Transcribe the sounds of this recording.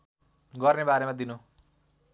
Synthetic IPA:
ɡʌrnebaɾemad̪inu

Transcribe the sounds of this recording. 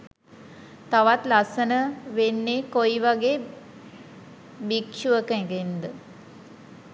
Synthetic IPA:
t̪aʋat̪lasənəʋenːeːkojiʋaɡeː | bikʃuʋəkəʋend̪ə

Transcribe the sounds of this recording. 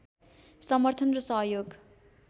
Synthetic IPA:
sʌmʌrt̪ʰʌnrʌsʌɦʌjoɡ

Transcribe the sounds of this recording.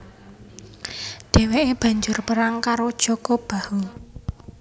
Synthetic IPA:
d̪̥e̤weʔeb̥ä̤ɲd͡ʒʊrpəɾaŋkaɾod̥ʒ̥ɔkɔb̥a̤hul

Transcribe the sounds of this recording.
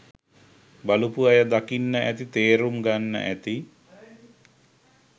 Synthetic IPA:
balupuajəd̪akinːəʔæt̪it̪eːɾumɡanːə̰ʔæt̪i

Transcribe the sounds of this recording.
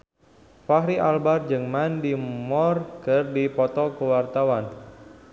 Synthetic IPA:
faɦɾiʔalbard͡ʒɨŋmandimɔrkɨrdipɔt̪ɔkəwart̪awan

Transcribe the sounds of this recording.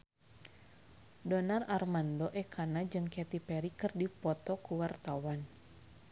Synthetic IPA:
dɔnararmandoʔɛkʰanad͡ʒɨŋkɛt̪ipɛɾikɨrdipɔt̪ɔkuwart̪awan

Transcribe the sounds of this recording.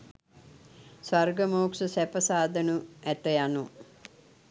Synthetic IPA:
sʋarɡəmoːkʂəsæpəsaːd̪ənuæt̪əjanu

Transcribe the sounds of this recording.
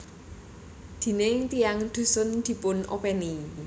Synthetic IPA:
d̪̥i̤nɪŋt̪ijaŋd̪̥ṳsʊnd̪̥i̤pʊnʔo̰pɛni

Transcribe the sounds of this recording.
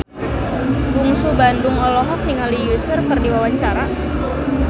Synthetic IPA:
buŋsubandʊŋɔlɔɦɔk̚niŋalijusərpərdiwawaɲt͡ʃaɾa

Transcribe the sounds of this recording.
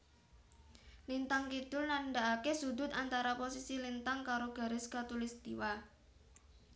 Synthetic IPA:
lint̪aŋkit̪ʊlnaɳɖaʔakesud̪ʊ̤t̪ant̪aɾaposisilint̪aŋkaɾoɡ̥a̤ɾɪskat̪ulist̪iwa

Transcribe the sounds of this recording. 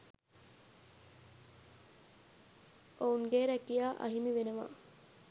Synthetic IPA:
ʔouŋɡeɾækijaːʔɐ̰ɦimiʋenəʋa̰ː

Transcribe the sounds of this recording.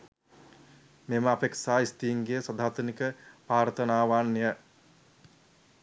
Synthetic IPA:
meməapeksaːist̪iːŋɡejsad̪ʱaːt̪ənikəpaːɾt̪ənaːʋaːnːejə

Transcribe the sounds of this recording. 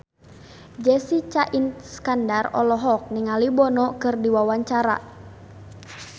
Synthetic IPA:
d͡ʒɛsit͡ʃaʔinskandarɔ̰lɔɦɔk̚niŋalibɔnɔkɨrdiwawaɲt͡ʃaɾa̰

